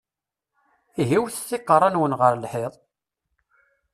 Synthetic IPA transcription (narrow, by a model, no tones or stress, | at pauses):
iɦiwθəsːɪqːəɾˤɑnwənʁəɾlħeðˤ